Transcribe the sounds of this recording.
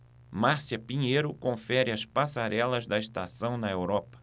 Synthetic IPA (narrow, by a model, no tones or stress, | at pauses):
maɾsiɐpĩɲejɾʊkõfɛɾɪɐspasaɾɛlɐzd̪ɐist̪asɐ̃w̃nɐewɾɔpɐ̥